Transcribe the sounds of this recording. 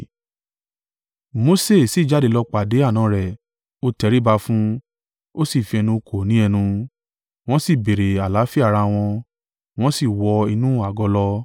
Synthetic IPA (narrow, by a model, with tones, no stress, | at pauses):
mo˧se˦˨si˨˦˨d͡ʒa˨˦de˨˧˦lɔ˧k͡pa˨de˨˦a˦˨nã˨˦ɾɛ˨ | o˧tɛ˧ɾi˦ba˧fũ˦ | o˦si˦˨fi˧ɛ˧nũ˧kʰo˨nĩ˨˦ɛ˧nũ˧ | w̃ɔ̃˦si˦˨be˨ɾe˨a˨la˨˦fi˦a˦˨ɾa˧w̃ɔ̃˧ | w̃ɔ̃˦si˦˨wɔ˧i˧nũ˦a˨ɡɔ˧lɔ˧